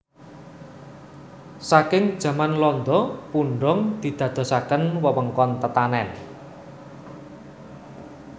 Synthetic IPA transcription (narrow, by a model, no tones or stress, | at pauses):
sakɪŋd̥ʒ̥ä̤manlɔnd̪ɔpuɳɖɔŋd̪̥i̤d̪̥ä̤d̪̥ɔ̤sakənwəwəŋkɔnt̪ət̪anɛn